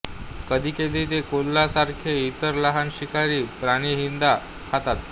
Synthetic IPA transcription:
kəd̪ʱiːked̪it̪ekolːasaɾkʰeit̪əɾləɦanɕikaɾiːpɾaɽ̃iːɦind̪a | kʰat̪at̪

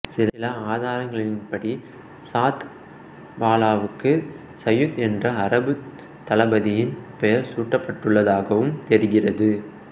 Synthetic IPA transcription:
sɪllɐaːðaːɾɐŋɡɐɭɪɪnpɐɽi | saːt̪ | baːlaːʋɯkːɯ | sɐjɯt̪ɛndrɐɐɾɐbɯ | t̪ɐlɐbɐðɪjɪnpɛjɐɾsuːʈrɐpːɐʈːɯɭːɐðaːɣɐʋɯmt̪ɛɾɯɣɪrɐðɯ

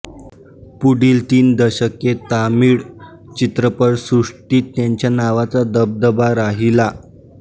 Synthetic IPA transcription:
puɖiːlt̪iːnd̪əɕəket̪amiːɽ | t͡ɕit̪ɾəpəɾsuʂʈiːt̪ːjaɲt͡ɕjanaʋat͡sad̪əb̚d̪əbaɾaɦila

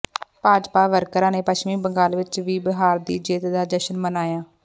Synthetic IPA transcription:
paːd͡ʒpaːʋəɾkəɾãːneːpəʃmiːbəŋɡaːlʋɪt͡ʃʋiːbɪɦaːɾd̪ḭːd͡ʒeːt̪d̪aːd̪əʃənmənaːjaː

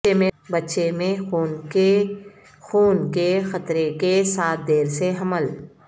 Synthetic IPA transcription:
emẽbətːʃemẽxuːne | xuːnkexɐt̪ɾekesaːt̪̚d̪eːɾseɦɐməl

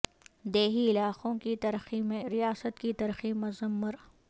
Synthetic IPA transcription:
d̪eːɦiɪlaːxõkit̪ɐɾximẽɾijaːsət̪kit̪ɐɾximɐzɐmːəɾ

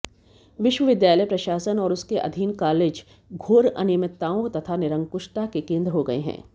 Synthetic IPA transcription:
ʋɪʃwəʋɪd̪jaːləjpɾɐʃaːsənɔːɾʊskeʔɐ̰d̪ʱiːnkaːleːd͡ʒ | ɡʱoːɾɐ̰nɪjmɪt̪ːaːõt̪ɐt̪ʰanɪɾə̃ŋɡkʊʃʈakekẽːnd̪ɾəɦoɡɐḛɦɛ̰̃ː

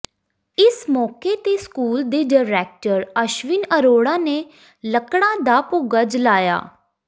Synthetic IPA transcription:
ɪsmɔːkeːt̪eːskuːld̪eːɖaːɾɛːk̚ʈəɾəʃʋɪnəɾoːɽãːneː | ləkɽãːd̪aːpoːɡaːd͡ʒəlaːja̰ː

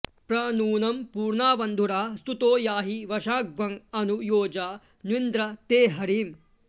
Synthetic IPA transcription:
pɾɐnuːnɐmpuːɾnaːʋɐnd̪ʱuɾaːst̪ut̪oːjaːɦiʋɐʃaːɡʋɐŋɐnujoːd͡ʒaː | nʋind̪ɾɐt̪eːɦɐɾiːm

